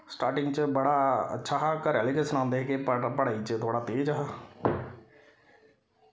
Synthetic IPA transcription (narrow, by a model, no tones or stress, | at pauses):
sʈaːɾʈɪŋɡt͡ʃəbəɽaːə̰tːʃʰaːɦaːkəɾɛːlikesənãːnd̪eːɦɛːkepəɽaːiːt͡ʃət̪ʰoːɽaːt̪eːd͡ʒɦaː